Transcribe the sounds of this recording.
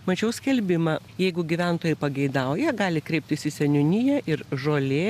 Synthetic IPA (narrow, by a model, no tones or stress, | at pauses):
mɐt͡ʃʲɛʊsʲkʲɛlʲbʲɪmɐ | jɛɪɡʊɡʲiʋʲænt̪oːjɛpɐɡʲɛɪd̪ɐʊjɛɡɑːlʲɪkɾʲɛɪp̚ʲt̪ʲɪsʲɪsʲɛnʲʊnʲɪjɛʔɪɾʒoːlʲeː